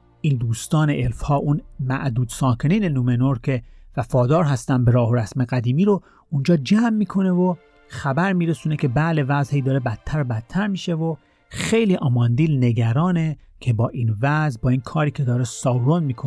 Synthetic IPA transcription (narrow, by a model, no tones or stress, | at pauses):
iːnd̪uːst̪ɒːneʔelfhɒːʔunmæʔd̪uːd̪̥sɒːkʰe̞niːnenumenoɾkʲʰevæfɒːd̪ɒːɾɦæst̪ænd̪beɾɒːhoɾæsmeɣæd̪iːmiːɾo | und͡ʒɒːd͡ʒæmːiːkʰo̞ne̞vo | xæbæɾmiːɾesunecʲʰe̞bæːle̞væzhiːd̪ɒːɾebæt̪ʰːæɾobæt̪ʰːæɾmiːʃevo | xejliːʔɑmɒnd̪iːlneɡæɾɒːne | cʰe̞bɒːʔiːnvæzbɒːiːnkʰɒːɾiːcʰe̞d̪ɒːɾesɒːwɾonmiːkʰo